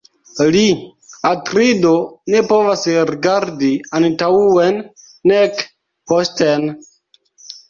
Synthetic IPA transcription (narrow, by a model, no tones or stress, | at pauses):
liatɾidone̞po̞vasɾiɡaɾdiantauenː | ek | posten